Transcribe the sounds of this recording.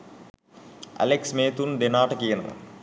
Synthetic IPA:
ɐ̰leksmeːt̪unɖ̪enaːʈɐkijɐnɐ̰

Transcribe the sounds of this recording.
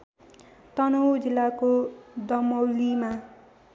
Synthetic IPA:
t̪ʌnowd͡zilːakod̪ʌmʌwlima

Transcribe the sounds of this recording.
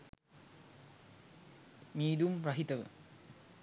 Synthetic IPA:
miːd̪umɾɐɦit̪ɐʋə̰

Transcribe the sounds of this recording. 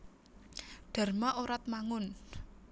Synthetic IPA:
ɖ̥a̤rmaʔoɾat̪̚maŋʊn

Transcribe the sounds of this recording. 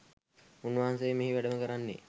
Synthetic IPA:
unʋaɦansejːmeɦiʋæɖəməkəɾanːḛ

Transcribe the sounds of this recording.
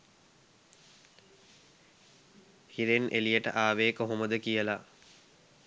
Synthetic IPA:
hiɾenʔḛlijəʈə̰ʔaːʋeːkoɦoməd̪əkijəla

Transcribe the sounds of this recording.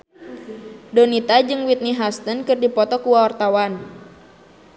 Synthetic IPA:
dɔnit̪ad͡ʒɨŋwit̪̚niɦast̪ənkɨrdipɔt̪ɔkuwaɔrt̪awan

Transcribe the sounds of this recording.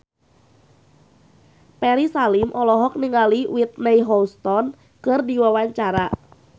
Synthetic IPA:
pɛɾisalɪmʔɔlɔɦɔk̚niŋaliwit̪̚nɛjɦɔlst̪ɔn | kɨrdiwawaɲt͡ʃaɾa

